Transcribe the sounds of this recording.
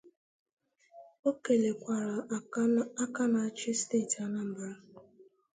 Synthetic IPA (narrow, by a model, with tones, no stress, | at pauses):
o˦ke˨le˨kʷa˨ɾa˨ | a˦ka˦na˨a˦t͡ʃɪ˦ste˦˨ta˦na˦m̩˨ba˨ɾa˦